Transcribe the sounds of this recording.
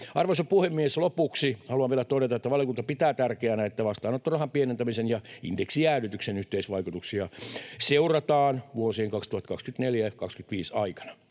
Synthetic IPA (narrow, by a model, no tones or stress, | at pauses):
ɑrʋosɑpuhemːieslopuksihɑluɑʋielæt̪oɾet̪ɑet̪ːæʋɑljokunt̪ɑpit̪æːt̪ærkeænæet̪ːæʋɑst̪ɑːnot̪ːurɑhɑmpienent̪æmisenjɑḭndeksiæːnyt̪yksenyht̪eisʋɑikut̪uksiɑseurɑt̪ɑːnʋuosiːŋkɑkst̪uhɑt̪kɑkskyt̪neljækɑkskyt̪ʋiːsɑikɑ̥nɑ̥